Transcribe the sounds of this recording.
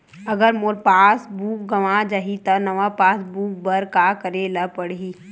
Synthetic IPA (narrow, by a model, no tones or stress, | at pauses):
ɐɡəɾmoɾpaːsbuːk̚ɡɐʋad͡ʒaɦit̪ɐnɐʋapaːsbuːk̚bəɾkakəɾelɐpəɽiː